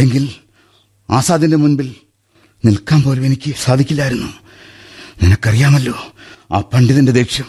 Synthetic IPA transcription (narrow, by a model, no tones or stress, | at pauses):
eŋɡil | aːsaːd̪ʱindemunbil | nilkaːnpo̞ːlume̞nikʲːɨsaːd̪ʱikʲːilːaːjiɾunːu | ninɐkːɐrijaːmɐlːo̞ːa̰ːpɐɳɖiðɐnded̪eːkʂjɐm